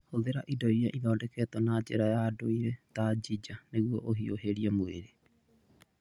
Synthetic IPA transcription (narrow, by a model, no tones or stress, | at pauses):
hoðeɾaʔidojaʔibaodeket̪onad͡ʒeɾaeaːdoiɾet̪ad͡ʒid͡ʒaneɡuoʔoɦioɦeɾiamuḛɾe